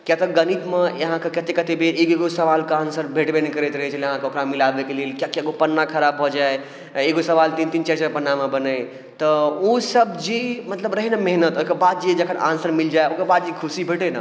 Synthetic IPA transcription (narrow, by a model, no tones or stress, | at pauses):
kjat̪əɡənit̪mejəɦãkekət̪ekət̪ebʱeʔeɡeɡosəʋalkeansəɾbʱeʈbenekəɾɛt̪ɾəɦɛt͡ʃəleəɦãkeokɾamilabekeleːlkjakaɡopənːakʰəɾabɦod͡ʒae | eɡosəʋalt̪int̪int͡ʃɛt͡ʃəɾpənːamebənəj | t̪ɔosəbd͡ʒimət̪ləbɾəɦinameɦnət̪okəbad̪̚d͡ʒied͡ʒəkʰəna̰nsəɾmild͡ʒaeokebad̪̚d͡ʒikʰusibʱeʈena̰